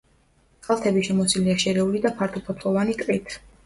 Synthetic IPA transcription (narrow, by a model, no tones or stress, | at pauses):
qʼalˠt̪ʰɛbiʃɛmɔsiliaʃɛɾɛulid̪apʰaɾt̪ʰɔpʰɔt̪ʰlˠɔvanit̪ʼqʼit̪ʰ